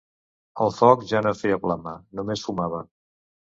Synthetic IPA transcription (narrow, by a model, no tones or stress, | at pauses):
əlˠfɔkʒanofɛjəpləmanumesfumaβ̞ə